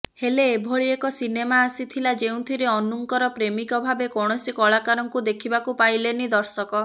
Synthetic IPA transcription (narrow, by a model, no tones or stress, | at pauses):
heleːbʱoɭiekɔsinemaːsit̪ʰilad͡ʒeũt̪ʰiɾeɔnuŋkɔɾɔpɾemikɔbʱabekɔɽ̃ɔsikɔɭakaɾɔŋkud̪ekʰibakupajlenid̪ɔɾsɔkɔ